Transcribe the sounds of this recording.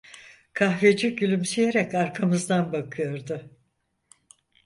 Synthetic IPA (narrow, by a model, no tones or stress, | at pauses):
kʰahved͡ʒiɟylʲymsijeɾɛcaɾkʰamɯzd̪anbakʰɯjo̞ɾd̪ʊ